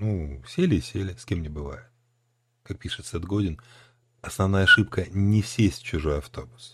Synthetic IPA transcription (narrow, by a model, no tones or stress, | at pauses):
nusʲelʲɪɪsʲelʲɪsʲkʲemnʲɪbɨva̰jɪt̪̚ | kak̚pʲiʂɨt̪sɛd̪ɡo̞dʲɪn | ɐsnɐvnajɐʂɨpkənʲɪsʲesʲtʲt͡ɕʊʐo̞jɐft̪o̞bʊs